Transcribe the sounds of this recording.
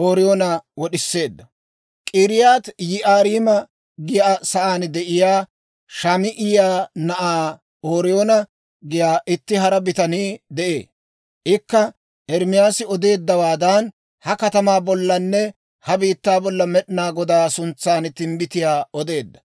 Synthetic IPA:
ʔoːɾɪjoːnɐwɔɗɪsːe̞ːd̪ːɐ | kʼiːɾɪjaːt̪jɪʔaːɾiːmɐ | ɡɪjasɐʔaːnd̪ɛʔɪjaː | ʃɐmɪʔɪjaːnɐʔaː | oːɾɪjoːnɐ | ɡɪjaːʔɪt̪ːɪɦɐɾɐbɪt̪ɐniːd̪ɛʔe̞̰ː | ʔɪkːɐ | ʔɛɾmɪjaːsɪɔd̪e̞ːd̪ːɐwaːd̪ɐn | hɐkɐt̪ɐmaːbɔlːɐnːɛ | hɐbiːt̪ːaːbɔlːɐmɛɗɪnaːɡɔd̪aːsʊnt͡sːaːnt̪ɪmbɪt̪ɪjaːɔd̪e̞ːd̪ːɐ

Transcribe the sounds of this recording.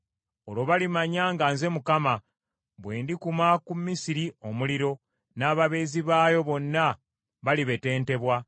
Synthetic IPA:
olo̞βalimaɲaːŋɡaːnze̞mukama | βwe̞ːndikumakumːisiɾio̞muliɾo̞ | naːβaβe̞ːziβaːjo̞βo̞nːa | βaliβe̞te̞ːnte̞βwa

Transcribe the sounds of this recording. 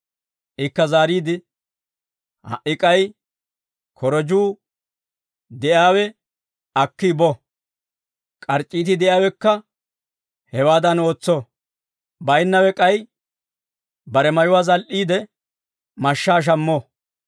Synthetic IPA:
ʔɪkːɐzaːɾiːd̪ɪ | hɐ̰ʔɪkʼɐj | kʰɔɾɔd͡ʒuː | d̪ɛʔjaːwɛ | ɐkːɪbɔ | kʼɐɾt͡ʃʼːiːt̪ɪd̪ɛʔjaːwɛkːɐ | hɛwaːd̪ɐno̞ːt͡sːɔ | bɐjnːɐwɛkʼɐj | bɐɾɛmɐjʊwaːzɐlʔiːd̪ɛ | mɐʃːaːʃ̬ɐmːɔ

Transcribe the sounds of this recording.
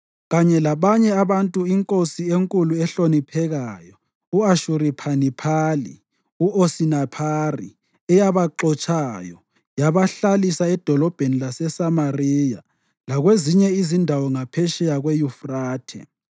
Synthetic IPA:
ɣaɲɛlaβaɲɛaβantʼuiŋkʼosieŋkʼuluɛɬonipʰɛɣaːjɔ | uaʃuripʰanipʰalḭ | uʔosinapʰarḭ | ɛjaβaǃɔt͡ʃʼajɔ̰ | jaβaɬalisaɛd̥ʱɔlɔb̥ʱenilasɛsamarija | laɣweziɲɛizindʱawɔŋapʰɛʃɛjaɣwejufraːtʰɛ̰

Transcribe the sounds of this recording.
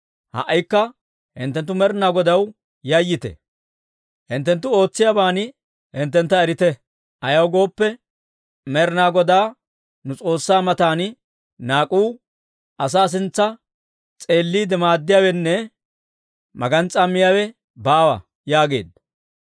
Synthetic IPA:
hɐ̰ʔːɐjkːɐ | hɪ̰nt̪ːɛnt̪ːʊmɛɾnaːɡɔd̪ɐw | jɐjːɪt̪ɛ̰ | hɪnt̪ːɛnt̪ːʊo̞ːt͡sːɪjabaːnɪ | hɪnt̪ːɛnt̪ːɐɛɾɪt̪ɛ | ʔɐjɐwɡo̞ːpːɛ | mɛɾnaːɡɔd̪aː | nʊt͡sʼo̞ːsːaːmɐt̪aːnɪ | naːkʼuː | ɐs̬aːs̬ɪnt͡sːɐ | t͡sʼe̞ːlːiːd̪ɛmaːd̪ːɪjawɛnːɛ | mɐ̰ɡɐnt͡sʼɐmːɪjaːwɛ | baːwɐ̰ | jaːɡe̞̰ːd̪

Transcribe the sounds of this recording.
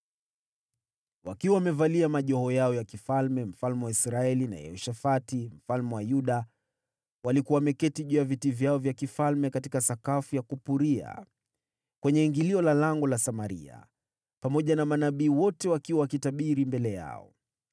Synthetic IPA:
wa̰kiwawamɛvaliamaʄɔɦɔjaɔjakifalmɛm̩falmɛwaisɾaɛlina̰jɛ̰hɔʃafatim̩falmɛwajuɗa | walikuwawamɛkɛtiʄujavitivjaɔvjakifalmɛkatikasakafujakupuɾia̰ | kwɛɲɛiŋɡiliɔlalaŋɡɔlasamaɾḭa̰ | pamɔʄanamanaɓiːwɔtɛwakiwawakitaɓiɾimbɛlɛja̰ɔ̰

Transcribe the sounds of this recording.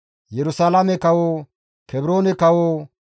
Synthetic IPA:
jɛɾʊsaːlamɛkɐwoː | kʰɛbɾoːnɛkɐwoː

